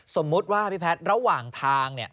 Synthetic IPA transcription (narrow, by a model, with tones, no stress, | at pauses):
so˩˦mːu˦˥t̪̚waː˥˩˧pʰi˦˥pʰɛ˦˥t̪̚ɾa˧waː˨˩ŋt̪ʰaː˧ŋni˥˩ə